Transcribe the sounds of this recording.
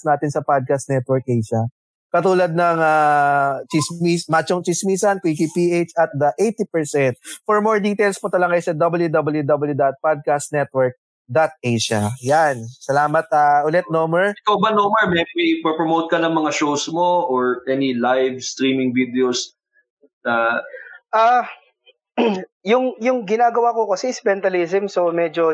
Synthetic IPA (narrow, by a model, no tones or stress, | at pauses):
snaːt̪ɪnsɐpad̪̚kɐst̪̚nɛt̪̚wɛɹk̚ʔejʃɐ | kɐt̪uːlɐd̪̚nɐŋa | t͡ʃɪsmismat͡ʃoŋt͡ʃismiːsɐnkwik̬ipiʔejt͡ʃɐt̪̚d̪ɐʔejt̪ipɛɹsɛnt̪̚fɔɹmoɹd̪iːt̪ejlspʊt̪ɐlɐŋkɐjosɐd̪ɐbɐljud̪ɐbɐljud̪ɐbɐljud̪ɐt̪̚pad̪̚kast̪nɛt̪̚wɛɹk̚ | d̪ɐt̪̚ʔejʃɐjansɐlaːmɐt̪̚aʔʊlɛt̪̚nomɛɹɪkɐwbɐnomɛɹmɛipɾopɹomowt̪̚kɐnɐŋmɐŋaʃowsmooɹʔɛnilajvst̪ɾiːmɪŋvid̪ɛos | nɐ | ʔaː | jʊŋjʊŋɡɪnaːɡɐwakokɐsɛɪsbɛnt̪ɐlizɪmsomɛd͡ʒo